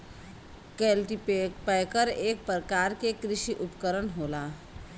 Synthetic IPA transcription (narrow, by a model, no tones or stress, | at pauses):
kelʈippəjkəɾeːk̚pɾəkaɾkekɾɪʃiʔʊpkəɾənɦola